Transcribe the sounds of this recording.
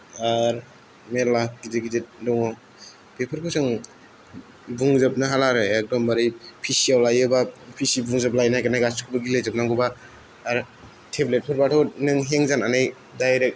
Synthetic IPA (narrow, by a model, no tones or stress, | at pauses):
aɾ | melakideɡidet̚dɔŋɔ | pepʰɯɾkʰɯsɯŋ | buŋzap̚naɦalaɾɯek̚dɔmbaɾijpʰisiawlajɯbapʰisibuŋzap̚lajnajkanajɡaskʰɯbaɡilezɯp̚naŋɡɯbaː | ɾ | tʰeblet̚pʰɯɾbatʰɔnɯŋɦeŋzananaj | dajɾek̚